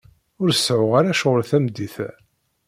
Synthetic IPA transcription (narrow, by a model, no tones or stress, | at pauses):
ʊɾsʕʊʁaɾæʃʁəlθæmd̪iθæ